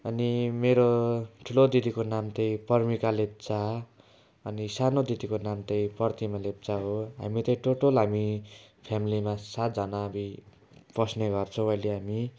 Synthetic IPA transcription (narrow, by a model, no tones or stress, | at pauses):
ʌnimeɾoʈʰulod̪id̪ikonamt̪ʌj̃pʌrmikalep̚t͡sa | ʌnisanod̪id̪ikonamt̪ʌj̃pʌrt̪imalep̚t͡saɦoɦa̰mit̪ʌĩʈoʈolɦamipʰamilimasat̪̚d͡zʌnabi | pʌsneɡʌrt͡sʰʌ̃w̃ʌjleɦami